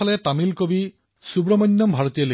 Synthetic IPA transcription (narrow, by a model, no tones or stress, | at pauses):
alet̪amilkobi | subɾɔmɔnːɔmbʱaɹɔt̪ijɔle